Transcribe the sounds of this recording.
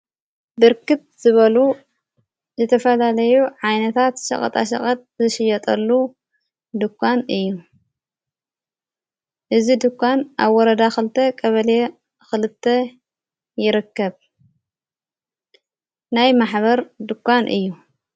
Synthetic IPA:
bɨɾkɨt̪̚z̥ɨβɐlu | zɨt̪ʰɐfɐlalɐjuʕajnɐt̪ʰat̪ʃɐ̰χʼɐ̰t̪ʼa̰ʃɐ̰χʼɐt̪̚ʼzɨʃɪjɐt̪ʼɐlːu | d̪ɨkʰʷːanɨjːu | ʔɨzid̪ɨkʷːanʔa̰βwɔɾɐd̪axɨlɨt̪ʰɐkʼɐβɐle | xɨlɨt̪ʰːɐ | jɪɾɨkːɐβ | najmaħβɐɾd̪ɨkʷːanʔɨ̰jːu

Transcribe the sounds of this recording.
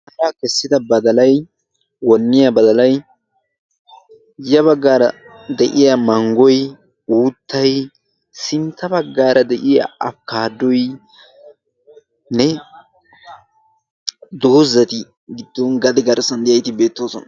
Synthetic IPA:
hɐɾaːkɛsːɪd̪ɐbɐd̪ɐlɐj | wɔnːɪjabɐd̪ɐlɐj | jɐβɐɡːaːɾɐ | d̪ɛʔɪjɐmɐŋɡɔj | uːt̪ʰːɐj | sɪnt̪ːɐbɐɡːaːɾɐd̪ɛʔɪja̰ʔɐfkaːd̪ɔj | nɛ | d̪ohzɐt̪ɪ | ɡɪd̪ːɔnɡɐd̪ɛɡɐɾsɐnd̪ɪjɐjt̪ɪbe̞ːt̪ːoːsɔnɐ

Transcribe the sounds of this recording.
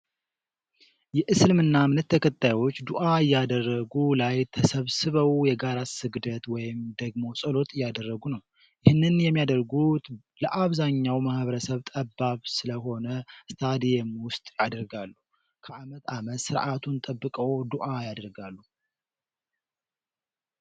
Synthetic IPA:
jɛʔɨsɨlmɨnːamɨnɨt̪ʰːəkət̪ʼːajwo̞t͡ʃːd̪uʔajːad̪ərːəɡulajt̪ʰəsəβsɨβəwjɛɡaɾasɨɡd̪ət̪wɔjɪmd̪əɡmo̞sʼəlo̞t̪ʼɨjːad̪ərːəɡunəw | jɪhɨnːɨnjɛmːijad̪əɾɡut̪ | ləʔaβzaɲːawmahβəɾəsəβt̪ʼəbːaβsɨləɦo̞nəst̪ʰad̪ijemwʊst̪ʼjad̪əɾɡalːu | kʰəʔamət̪ʰamət̪sɨɾʔat̪ʰunt̪ʼəbːɨkʼəwd̪uʔajad̪əɾɡalːu

